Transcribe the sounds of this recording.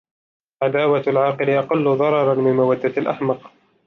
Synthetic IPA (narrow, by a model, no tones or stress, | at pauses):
ʕad̪aːwaalʕɑːqɨlɪʔɑqɑlːʊðˤɑɾˤɑɾˤɑnmɪnmawad̪ːaalʔa̰ħmɑq